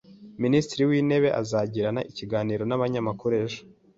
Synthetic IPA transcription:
ministɾiwiːne̞βe̞ʔa̰zaɟiɾanaʔiciɡaːniːɾo̞naβaɲamakʰuɾeʒo̥

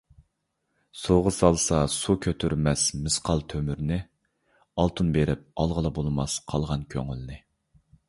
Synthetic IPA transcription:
soʁəsɑlˠsɑsukʲʰøt̪ʰyɾmɛsmɨsqʰɑlˠt̪ʰømyɾnɪ | ɑlˠt̪ʰunbeɾɪp̚ɑlˠʁəlˠɑbolˠmɑsqʰɑlˠʁɑnkʲʰø̰ŋylnɪ

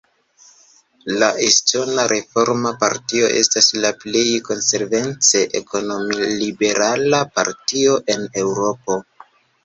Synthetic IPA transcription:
laʔestonaɾʔe̞fo̞ɾmapa̰ɾtio̞̰ʔe̞staslaple̞jko̞nse̞ɾve̞nt͡se̞ʔeko̞nomlibe̞ɾalapa̰ɾtio̞ʔe̞ne̞wɾo̞po̞

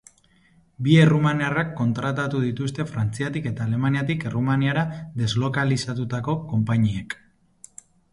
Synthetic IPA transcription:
bie̞rumaniarakːo̞nt̪ɾat̪at̪uðit̪ust̪e̞fɾant͡siat̪ike̞t̪aːle̞maniat̪ike̞rumaniaɾaðe̞zlo̞kalisat̪ut̪ako̞ko̞mpaɲiek

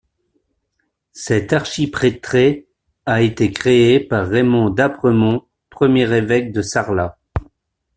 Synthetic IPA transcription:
sɛt̪aʁʃipχet̪χe | aet̪ekχeepaʁːemɔ̃d̪apχəmɔ̃ | pχəmjɛʁevɛk̚d̪əsaʁla

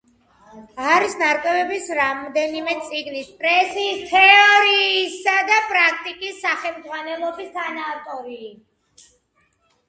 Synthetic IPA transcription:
aɾisnaɾkʼwɛvɛbisɾamɔd̪ɛnimɛt̪sʼiɡnispʼɾɛsiːst̪ʰɛɔɾiːsad̪apʼɾak̚ʰt̪ʼikʼisːaχɛmd̪zʁwanɛlˠɔbist̪ʰanat̪ʼɔɾiː

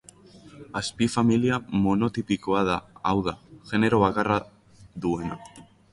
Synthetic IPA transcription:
aspifamiliamo̞no̞t̪ipiko̞aðaːwðaʝe̞ne̞ɾo̞β̞akara | ðue̞na

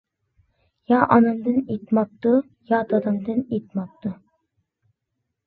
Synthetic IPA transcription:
jɑʔɑnɑmd̪ɨnit̪mɑp̚t̪u | jɑd̪ɑd̪ɑmd̪ɨnet̪mɑp̚t̪ʊ

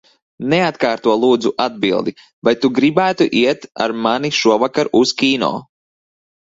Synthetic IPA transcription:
neat̪kaːɾt̪uɔlˠuːd̪zuʔad̪̚bḭlˠd̪i | vajt̪uɡɾibæːt̪uʔiɛt̪a̰ɾmaniʃuɔvakaɾuskʲiːnɔ̰ː

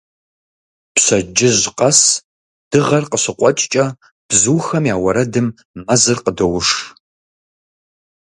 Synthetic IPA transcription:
pɕɐd͡ʒɪʑqɐs | d̥ɨʁɐrqəɕɪqʷʼɔt͡ʃʼt͡ʃʼɐ | b̥zuːxɐmjaːwɐɾɐdɨmː | ɐzɨrqədɐwʊʂ

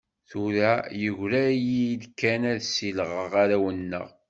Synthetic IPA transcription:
θuɾæjəʝɾæjilkːænæðsilʁəʁaɾæwənːə̰ʁ

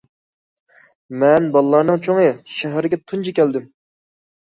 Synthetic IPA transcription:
mɛnbɑlˠːɑɾnɨŋt͡ʃʰoŋəʃæɦɾɪɡʲɛt̪ʰunt͡ʃʰikʲɛld̪ɪm

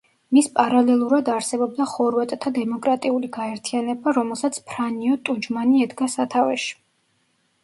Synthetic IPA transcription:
mispʼaɾalɛlˠuɾad̪aɾsɛbɔb̚d̪aχɔɾwat̪ʼt̪ʰad̪ɛmɔkʼɾat̪ʼiuliɡaɛɾt̪ʰianɛbaɾɔmɛlˠsat̪sʰpʰɾaniɔt̪ʼud͡ʒmaniɛd̪ɡasat̪ʰavɛʃi̥

